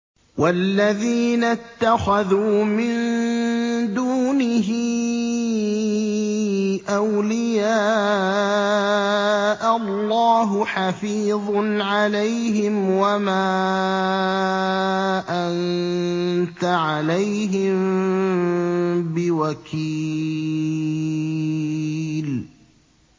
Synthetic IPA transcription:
walːaðiːnat̪ːaxaðuːmɪn | d̪uːnɪɦɪ | ʔawlɪjaː | ʔalːɑːɦʊħafiːðˤnʕalajɦɪmwamaː | ʔan | t̪aʕalajɦɪm | bɪwakʰiː | l

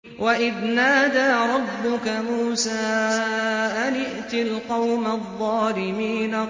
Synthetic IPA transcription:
wʔaʔɪðnaːd̪aːɾˤɑbːʊkamuːsaː | ʔanɪʔt̪ɪlqɑwmaðˤːɑːlɪmiːna

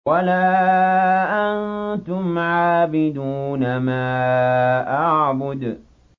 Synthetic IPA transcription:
walaːʔannt̪ʊmʕaːbɪd̪uːnamaː | ʔaʕbʊd̪

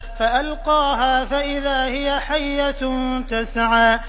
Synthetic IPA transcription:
faʔalqɑːɦaːfaʔɪðaːhɪjaħajːat̪asʕaː

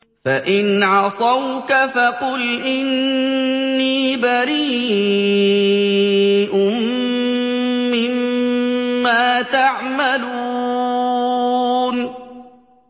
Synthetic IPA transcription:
faʔɪnʕɑsˤɑwkafaqʊlʔɪnː | iːbaɾiː | ʔʊmm | ɪmmː | aːt̪aʕmalu | n

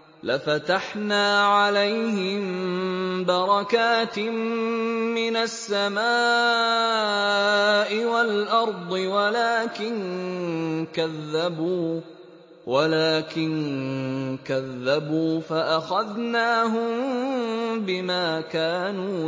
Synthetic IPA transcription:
lafat̪aħnaːʕalajhɪm | bɑɾˤɑkaːt̪mː | ɪnasːamaː | ʔɪwalʔɑɾˤd̪ˤɨwalaːkɪn | kaðːabuː | walaːkɪn | kaðːabuːfaʔaxaðnaːɦʊm | bɪmaːkaːnuː

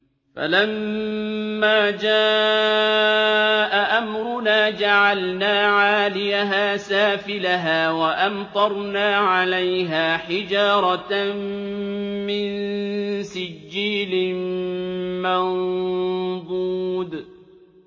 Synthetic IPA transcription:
fa̰lamː | aːd͡ʒaː | ʔaʔamɾʊnaːd͡ʒaʕalnaːʕaːlɪjaɦaːsaːfɪlaɦaːwaʔamt̪ˤɑɾˤnaːʕalajɦaːħɪd͡ʒɑːɾˤɑ | mɪnsɪd͡ʒːiːlɪ | man | d̪ˤuːd̪

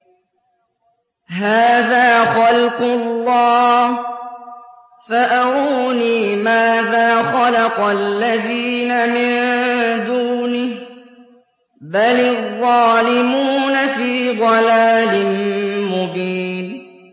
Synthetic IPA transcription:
ɦaːðaːxalqʊlːɑː | faʔaɾuːniːmaːðaːxalɑqlːaðiːnamɪnd̪uːnɪh | balɪðˤːɑːlɪmuːnafiːd̪ˤɑlaːlɪnmʊbiːn

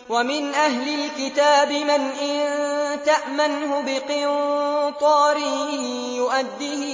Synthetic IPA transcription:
wamɪnʔaɦlɪlkɪt̪aːbɪmɪnʔɪnnt̪aʔmanhʊbɪqɨnt̪ˤɑːɾɪhɪ | jʊʔad̪ːihɪ

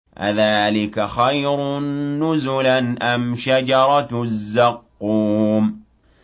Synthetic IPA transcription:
ʔa̰ðaːlɪkaxajɾʊːʊzʊlanʔamʃad͡ʒɑɾˤɑzːɑqːuːm

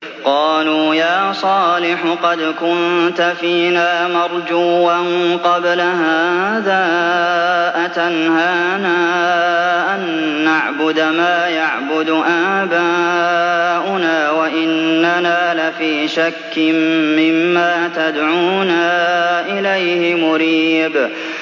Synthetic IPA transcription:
qɑːluːjaːsˤɑːlɪħʊqɑd̪kʊnt̪afiːnaːmɑɾˤd͡ʒuːanqɑblahaːðaː | ʔat̪anhaːnaː | ʔanː | aʕbʊd̪maːjaʕbʊd̪ʔaːbaː | ʔʊnaːwaʔɪnːanaːlafiːʃakːɪmmɪmːaːt̪ad̪ʕuːnaːʔɪlajhɪmʊɾiːb

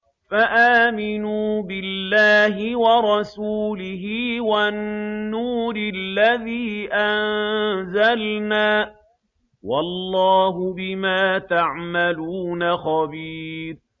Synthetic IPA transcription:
faʔaːmɪnuːbɪlːaːɦɪwɑɾˤɑsuːlɪɦiːwanːuːɾɪlːaðiːʔannzalnaː | wɑlːɑːɦʊbɪmaːt̪aʕmaluːnaxɑbiːɾ

